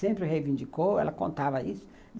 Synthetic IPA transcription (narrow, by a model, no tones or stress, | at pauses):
ẽmpɾɪɦejvĩnd͡ʒikowɛ̰lɐkõnt̪avɐisʊ̥